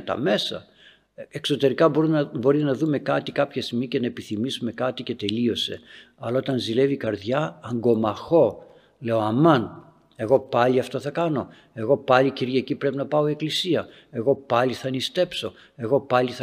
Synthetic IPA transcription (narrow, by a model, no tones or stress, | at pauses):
t̪ɐ̰me̞sɐ̰ | ekso̞t̪e̞ɾikɐbubo̞ɾinɐðume̞kɐt̪ikɐpçɐst̪imice̞nɐepiθimisume̞kɐt̪ice̞t̪e̞lio̞se̞̰ | ɐlɐo̞t̪ɐnzile̞vikɐɾðʝɐɐŋɡo̞mɐxo̞ | le̞o̞ɐmɐn | e̞ɣo̞pɐliɐft̪o̞θɐkɐno̞ | e̞ɣo̞pɐliciɾʝɐcipɾe̞pinɐpɐo̞ieklisiɐ | e̞ɣo̞pɐliθɐnist̪e̞pso̞ | e̞ɣo̞pɐliθ